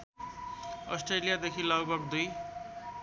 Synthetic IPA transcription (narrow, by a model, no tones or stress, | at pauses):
ʌsʈrelijad̪ekʰilʌɡbʱʌɡd̪uj